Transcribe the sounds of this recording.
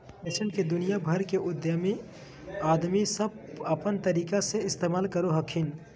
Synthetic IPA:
pesəɳked̪ʊnijabʱəɾkeʔʊd̪jəmi | aːd̪misəb̚ | ɐpənt̪ɐɾiːkaseɪst̪eːmaːlkɐɾoɦɐkʰɪn

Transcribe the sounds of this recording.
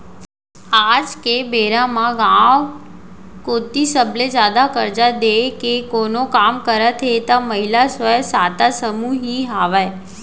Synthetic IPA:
ad͡ʒkebeɾamãɡãʋ | kot̪isəbled͡ʒad̪akəɾd͡ʒad̪ekekonokamkəɾat̪ʰeet̪aməɦilasʋəjsat̪asəmuɦiɦaʋaj

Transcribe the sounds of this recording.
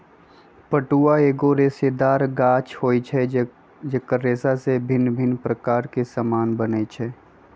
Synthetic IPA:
pəʈuaeːɡoɾeːsed̪aːɾɡaːt͡ʃhoːit͡ʃʰɛ | d͡ʒekəɾeːsasebʱɪnbʱɪnpɾəkaːɾkesəmaːnbənet͡ʃʰɛː

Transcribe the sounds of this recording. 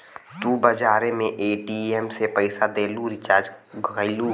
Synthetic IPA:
t̪ubəd͡ʒaːɾemẽʔeʈiemsepəɪsad̪eːluɾɪt͡ʃaːɾd͡ʒɡəɪlu

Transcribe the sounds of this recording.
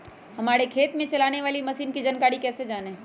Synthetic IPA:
hɐmaːɽekʰeːt̪mẽt͡ʃɐlaːñeʋaːlimɐsiːnkid͡ʒənkaːɽikɛːsed͡ʒaːne

